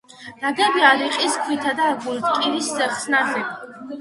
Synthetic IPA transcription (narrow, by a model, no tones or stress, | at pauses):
naɡɛbiaɾiqʼiskʰwit̪ʰad̪aːɡuɾt̪kʼiɾiszɛχsnaχʰɛ